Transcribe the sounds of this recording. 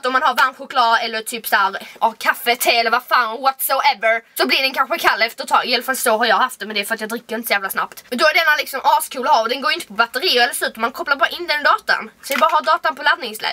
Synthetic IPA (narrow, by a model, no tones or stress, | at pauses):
t̪ɔmːanhaɾvanɧʊkʰlɑːdɛlːəɾt̪ʰyːpsæɾʔɔkʰafːət̪ʰeːɛlːəɾvafaːnɔwɔt̪soʊʔɛvəɾsɔblɪɖɛnkʰanɧəkʰalːɛft̪ət̪ʰɑːɡɪjaːlafalsɔɦaɾjɑhaft̪̚ɛmɛnd̪ɛfœɾat̪jɑɡd̪ɾɪkːəɾɪnt̪əsɔjæːvlasna̰pt̪mɛnd̪ɔæɖ̪ɛnːalɪksɔmʔɑːskʰuːlaaːɔd̪ɛnɡoːjɪnt̪ə̥pʰɔbat̪ːəɾiːʊɾɛlːəɾslʉːt̪mankʰɔpːlaɾbɑːɾaʔɪnːd̪ɛnd̪ɑːt̪a̰nsɔvɪbɑːɾahaɖɑːt̪anpʰɔlad̪nɪŋslɛ̰ːɡ